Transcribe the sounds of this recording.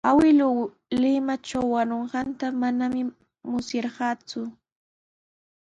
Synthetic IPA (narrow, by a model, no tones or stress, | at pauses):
awɪlʊ | lɪmaʈ͡ʂawːanoɴɢɑnt̪amanamɪ | mʊsjɑɾɢɑːt͡sʊ